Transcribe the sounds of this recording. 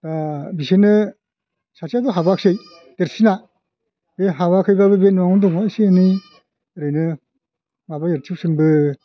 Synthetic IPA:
tabisenɯ | sasaduɦabak̚sej | teɾsina | beɦaβakʰɯjbabɯbenuaŋɔdɔŋasieni | ɾɯjnɯ | ŋabajeɾtʰip̚sɯnbɯ

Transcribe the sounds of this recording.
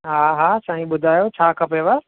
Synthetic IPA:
ɦaɦaːsaːɦĩɓʊd̪ʱaːjot͡ʃʰaːkʰɐpeʋa

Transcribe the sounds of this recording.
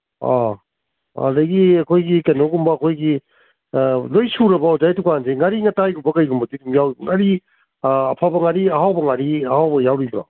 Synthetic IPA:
a | a̰dɐɡiɐkʰojɡikenoɡumbɐːkʰojɡi | lojsuɾɐbɐɔzajtukanzeŋaɾiŋɐtajɡumbɐkɐjɡumbɐdidumjawɾibuŋaɾiː | pʰabɐŋaɾiɐɦawbɐŋaɾiɐhawbɐjawɾibɾɔ̰

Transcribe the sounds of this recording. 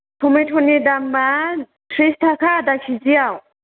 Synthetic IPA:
pʰumeʈʰunid̪amːa | tʰɾist̪ʰakʰad̪akʰiziaw

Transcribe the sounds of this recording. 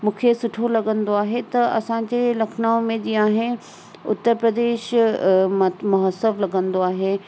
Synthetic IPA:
mũːkʰesʊʈʰolɐɡə̃nd̪oaːɦet̪ɐɐ̰sãd͡ʑelɐkʰnaːõmẽd͡ʑiaːɦɪnɪ | ʊ̰t̪ːəɾpɾəd̪eːʃ | mɐɦəsəblɐɡə̃nd̪oaːɦeː

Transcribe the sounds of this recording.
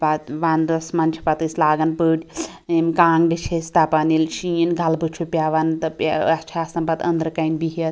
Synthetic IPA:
bat̪ʋand̪ɐsmɐnt͡ʃʰi̥pɐt̪ɨsʲlaːɡɐnpɨʈʲ | emkaːŋɡɖit͡ʃʰesʲt̪apanilʃiinɡʱɐlbɨt͡ʃʰupʲjaːʋant̪ɐpɐt͡ʃʰaːsɐmpɐt̪ɐ̰nd̪ɾɨkɐinbiɦɐ

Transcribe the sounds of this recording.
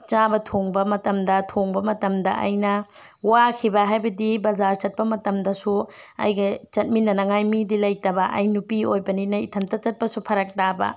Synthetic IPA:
t͡ʃabɐtʰoŋbɐmɐtɐmdɐtʰoŋbɐmɐtɐmdɐ̰ʔɐ̰jnɐ | wakʰibɐɦajbɐdibɐzaɾt͡ʃɐt̚pɐmɐtɐmdɐsuɐ̰jɡɐt͡ʃɐt̚minːɐnɐŋajmidilɐjtɐbɐʔɐ̰jnupiojbɐninɐitʰɐntɐt͡ʃɐt̚pɐsupʰɐɾɐk̚tabɐ̰

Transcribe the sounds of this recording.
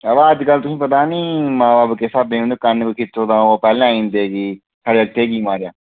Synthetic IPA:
əʋaːəd͡ʒkəlt̪ʊsĩːpət̪aːnĩːmãːbaːbkeːsab̪ẽːeːkənkokʰɪt̪ːoːd̪ãːopɛːlãːĩːnd̪eːɡiː | saːɽeːək̚ʈ̪ʰɦeːɡiːmãːɾejaː

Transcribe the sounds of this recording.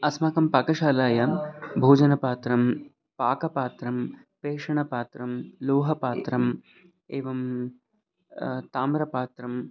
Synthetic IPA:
ɐsmɐkɐmpɐkɐʃaːlaːjɐbʱoːd͡ʒɐnɐpaːt̪ɾɐm | paːkɐpaːt̪ɾɐm | peːʂɐɳɐpaːt̪ɾɐmloːɦɐpaːt̪ɾɐm | eːʋɐm | t̪aːmɾɐpaːt̪ɾɐm

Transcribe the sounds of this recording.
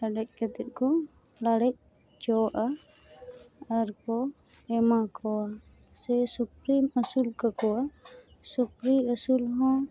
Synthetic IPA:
laɖɛc̚ˀkɛt̪ɛt̪̚ˀkɔ | laɽɛc̚ | d͡ʒɔʔa | ɾkɔ | ɛmakɔa | sɛsupɾiməsulkakɔa | supɾiəsulɦɔ̃

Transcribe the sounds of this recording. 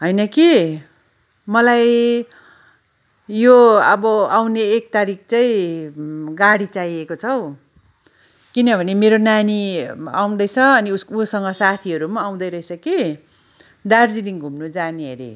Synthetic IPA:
ɦʌjnʌki | mʌlaj | joʌbʌawneːk̚t̪aɾik̚ʰt͡saĩ | ɡaɽit͡sajekot͡sʰʌw | kinʌbʱʌnemeɾonaniawd̪ʌjt͡sʰʌʌniusʌŋɡʌsat̪ʰiʌɾumaːw̃d̪ʌjɾʌesʰʌki | d̪ard͡zid̪iŋɡʱumnud͡zaniʌ̰ɾḛ

